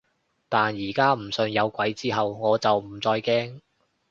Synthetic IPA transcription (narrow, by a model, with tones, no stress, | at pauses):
t̪aː˨njiː˨˩kaː˥m̩˨˩sɵ˧njɐ˨˧wkʷɐ˨˥jt͡siː˥ɦɐ˨wŋɔː˨˧t͡sɐ˨wm̩˨˩t͡sɔː˧jkɛː˥ŋ